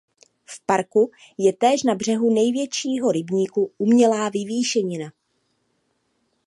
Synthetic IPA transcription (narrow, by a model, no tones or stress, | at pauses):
fpaɾku | jɛt̪ɛːʃnabr̝ɛɦunɛjvjɛt͡ʃiːɦo̞ɾɪbɲiːkuʔumɲɛlaːvɪviːʃɛɲɪna